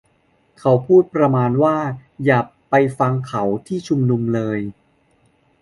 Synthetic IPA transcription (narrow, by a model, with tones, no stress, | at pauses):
kʰa˩˦wpʰuː˥˩t̪̚pɾa˧maː˧nwaː˥˩jaː˨˩pa˧jfa˧ŋkʰa˩˦wt̪ʰiː˥˩t͡ɕʰu˧mnu˧mlɤː˧j